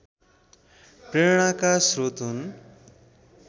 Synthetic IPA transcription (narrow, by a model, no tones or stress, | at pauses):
pɾeɾɽ̃akasɾot̪ɦun